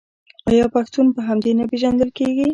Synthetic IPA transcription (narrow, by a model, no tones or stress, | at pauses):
ɑjɑpaxt̪unpəɦamd̪enapeʒand̪əlkeɡi